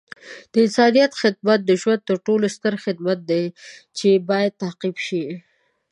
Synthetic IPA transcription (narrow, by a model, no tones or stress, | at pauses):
d̪̥əɪsɑnijat̪xɪd̪̚mat̪̚d̪əʒwand̪̚t̪əɾʈolost̪əɾxɪd̪mat̪̚d̪et͡ʃebɑjad̪̚t̪ahqibʃi